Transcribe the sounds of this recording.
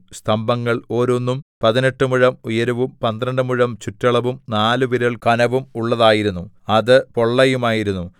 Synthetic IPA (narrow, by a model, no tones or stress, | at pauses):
st̪ʰɐmbɐŋːɐɭo̞ːɾonːumpɐðine̞ʈːɨmuɻɐmujɐɾuʋumpɐnd̪ɾɐɳɖɨmuɻɐmt͡ɕutːɐɭɐʋumnaːlɨʋiɾɐɭkɐnɐʋumuɭːɐðaːjiɾunːu | ɐðɨpo̞ɭːɐjumaːjiɾunːu